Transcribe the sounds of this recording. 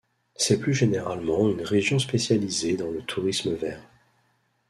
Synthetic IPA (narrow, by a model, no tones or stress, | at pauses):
sɛplyʒeneʁalmɑ̃ynʁeʒjɔ̃spesjalized̪ɑ̃lət̪ʰuʁisməvɛːʁ